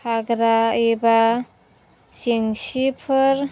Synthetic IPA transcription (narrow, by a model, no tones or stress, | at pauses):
aɡɾaiba | siŋsipʰɯɾ